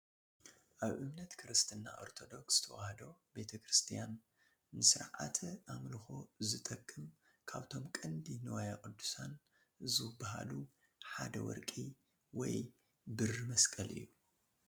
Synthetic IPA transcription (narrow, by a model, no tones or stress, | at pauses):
ʔaβʔɨmnɐt̪kʰɨɾɨst̪ʰɨnːa̰ʔo̞̰ɾt̪ʰo̞d̪o̞ksz̥ɨ̥t̪ʰɐwahɐd̪o̞be̞t̪ʰɐkɾɨst̪ʰijanː | ɨsɨɾʕa̰t̪ʰʔamlɨxo̞zɨt̪ʼɐkʼːɨm | kʰaβt̪ʰo̞mkʼɨnd̪inɨwajakʼɨd̪ːu̥san | zɨbaha̰lu | ħad̪ɐwɔ̰ɾkʼi | wɔ̰j | bɨrɨmɐskʼɐlʔɨ̰jːu